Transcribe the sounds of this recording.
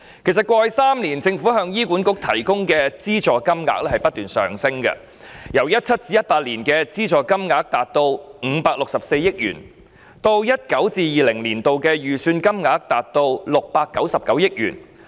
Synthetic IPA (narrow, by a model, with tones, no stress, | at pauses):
kʰe˨˩sɐ˨t̚kʷɔː˧jsaː˥mliː˨˩nt͡sɪ˧ŋfu˨˥ɦœː˧ŋjiː˥kuː˨˥nkʊ˧˥k̚t̪ʰɐ˨˩jkʊ˥ŋkɛː˧t͡siː˥t͡sɔː˨kɐ˥mŋa̰ː˧k̚lɛː˥hɐ˨jpɐ˥t̚t̪yː˨nsœ̰ː˨˩ŋsɪ˥ŋkɐ̰˧ | jɐ˨˩wjɐ˥t̚t͡sʰɐ˥t̚t͡siː˧˥jɐ˥t̚paː˧t̚liː˨˩nkɛː˧t͡siː˥t͡sɔː˨kɐ˥mŋaː˧˥k̚t̪aː˨t̚t̪o˧wŋ̩ː˨˧paː˧k̚lʊ˨k̚sɐ˨˩p̚se˧jɪ˥k̚jy̰ː˨˩n | t̪o˧wjɐ˥t̚kɐ˨˥wt͡siː˧jiː˨lɪ˨˩ŋliː˨˩nt̪o˧wkɛː˧jyː˨syː˧nkɐ˥mŋaː˨˥k̚t̪aː˨t̚t̪o˧wlʊ˨k̚paː˧kːɐ˨˥wsɐ˨p̚kɐ˨˥wjɪ˥k̚jy̰ː˨˩n